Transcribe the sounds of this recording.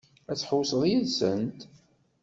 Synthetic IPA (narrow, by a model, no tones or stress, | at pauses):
æt͡sːħowsəðˤjiðsənt̪